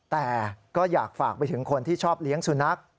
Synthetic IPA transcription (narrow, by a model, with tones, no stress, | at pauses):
t̪ɛː˨˩kɔː˥˩jaː˨˩k̚faː˨˩k̚pa˧jt̪ʰɯ˩˦ŋkʰo˧nt̪ʰiː˥˩t͡ɕʰɔː˥˩p̚li˦˥əŋsu˧˩na˦˥k̚